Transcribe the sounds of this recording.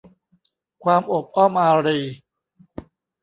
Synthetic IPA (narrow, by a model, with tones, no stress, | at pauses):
kʰwaː˧mʔo˨˩p̚ʔɔ˥˩mʔaː˧ɾiː˧